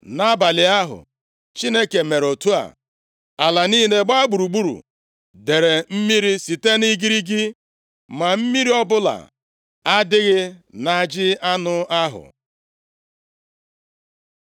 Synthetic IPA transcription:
na˦ba˨lɪ˨a˦ɦʊ̰˨ | t͡ʃi˦ne˦ke˨me˨ɾo˨tu˦a̰˨ | a˨la˨ni˦ne˦ɡ͡ba˦ɡ͡bu˨ɾu˨ɡ͡bu˦ɾṵ˨ | de˨ɾe˨m̩˦mi˦ɾi˦si˨te˦ni˦ɡi˦ɾi˦ɡi˦ | ma˨m̩˦mi˦ɾi˦ɔ˦bʊ˦la̰˨ | a˦dɪ˦ɣɪ˦na˨d͡ʒɪ˦a˦nʊ˦a˦ɦʊ̰˨

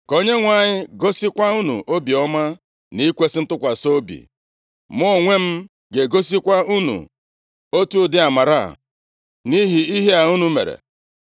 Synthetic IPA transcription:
ko˦ɲe˦ŋʷa˨ɲɪ˦ɡo˦si˦kʷa˦u˦nṵ˨ʔo˦bi˨ɔ˦ma˦ | ni˦kʷe˦sɪ˦n̩˦tʊ˦kʷa˨so˦bḭ˨ | mʊ˦˨ŋʷe˦m̩˦ | ɡe˨ɡo˦s̬i˦kʷa˦u˦nṵ˨ | o˦tu˦o˦dɪ˦a˨ma˨ɾa̰˦˨ | ni˦ɦi˨i˦ɦe˦a˨u˦nu˨mḛ˨ɾḛ˨

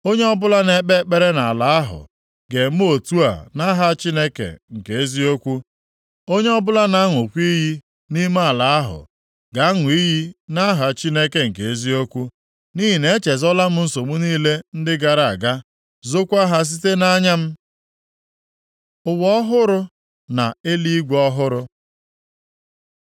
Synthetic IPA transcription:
o˦ɲe˦ɔ˦bʊ˦la˦ne˨˦k͡pe˦k͡pe˦ɾe˦na˨a˨la˨a˦ɦʊ̰˨ | ɡe˨m̩˦o˨tu˦a̰˨na˦ɦa˦t͡ʃi˦ne˦kḛ˨ŋ̩˨ke˨e˦zi˦o˦kʷu˦ | o˦ɲe˦ɔ˦bʊ˦la˦na˦ŋʊ˨kʷi˦ɦi˦ | ni˦m˦a˦˨la˨a˦ɦʊ̰˨ | ɡa˨˦a˦ŋʊ˨i˦ji˦na˦ɦa˨t͡ʃi˦ne˦ke˨ŋ̩˨ke˨e˦zi˦o˦kʷu˦ | ni˦ɦi˨ne˨e˦t͡ʃe˨zɔ˦la˦m̩˦n̩˦so˨mu˦niː˦le˦n̩˦dɪ˦ɡa˨ɾa˨a˨ɡa˦ | zo˦kʷa˦ɦa˦s̬i˦te˦na˦ɲa˦m̩˦ | ʊ˨wɔ˦ɦʊ˦ɾʊ˦ | na̰˨e˦li˦ɡɔ˦ɦʊ˦ɾʊ˦

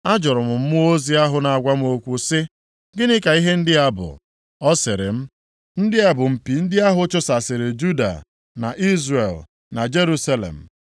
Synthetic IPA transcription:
a˦d͡ʒʊ˨ɾʊ˨mʊ˨m̩˦mʊ˦o˦zi˦a˦ɦʊ˨na˨a˨ɡʷa˦m̩˦o˦kʷu˦sɪ˦ | ɡɪ˦nɪ˦ka˨i˦ɦe˦n̩˦dɪ˦a˦bʊ̰˨ | ɔ˦sɪ˨ɾɪ̰˨m̩˦ | n̩˦dɪ˦a˨bʊ˨m̩˨pi˨n̩˦dɪ˦a˦ɦʊ˦t͡ʃʊ˦sa˨sɪ˨ɾɪ˨d͡ʒu˦da̰˨ | na̰˨ʔi˦zɾḛ˨l | na˨d͡ʒe˦ɾu˦sa˦lḛ˨m̩˨

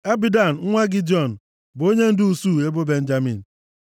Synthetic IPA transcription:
a˦bi˦da˨n̩˨ŋ̩˦ŋʷa˦ɡɪ˦d͡ʒɔ˦˨n̩˨ | bo˦ɲe˦n̩˦dʊ˦u˦˨su˦˨e˦bo˦be˦n̩˦d͡ʒa˦mḭ˨n̩˨

